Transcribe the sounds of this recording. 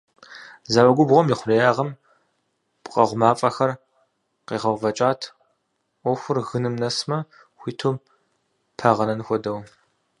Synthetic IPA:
zawɐɡʷʊbʁʷɔmjɪχʷʊrɐjaːʁɐm | pqʼɐʁʷmaːpʼɐxɐr | qeːʁɐwvɐt͡ʃʼaːtʰʷ | ɔxʷʊrɣɨnɨmnɐsmɐ | xʷiːtʰoː | pʰaʁɐnɐnxʷɔdɐw

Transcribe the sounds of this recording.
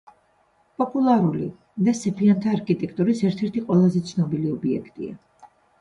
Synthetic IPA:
pʼɔpʼulˠaɾuli | d̪asɛpʰiant̪ʰaːɾkʰʼit̪ʼɛkʰt̪ʼuɾisɛɾt̪ʰɛɾt̪ʰiqʼwɛlˠazɛt̪sʰnɔbiliɔbiɛ̰kʰt̪ʼḭa̰

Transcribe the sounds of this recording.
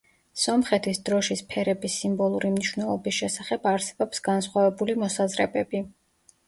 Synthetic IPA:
sɔmχɛt̪ʰisd̪ɾɔʃispʰɛɾɛbisimbɔlˠuɾimniʃwnɛlˠɔbisʃɛsaχɛbaɾsɛ̥bɔpsɡ̥ansχwavɛbulimɔsazɾɛbɛbi

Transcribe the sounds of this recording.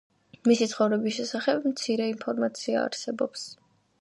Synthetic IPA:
misit̪sʰχɔvɾɛbisʃɛsaχɛbmt̪sʰiɾɛinpʰɔɾmat̪sʰia̰ːɾsɛbɔps

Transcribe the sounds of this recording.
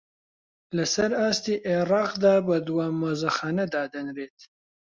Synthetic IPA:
lɐsɐɾaːst̪iʔeɾɑːqd̪aːbɐd̪waːmɐzɐxɑːnɐd̪aːd̪ɐnɾet̪̚

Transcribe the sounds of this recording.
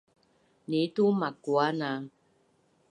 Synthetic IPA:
nitumakuana

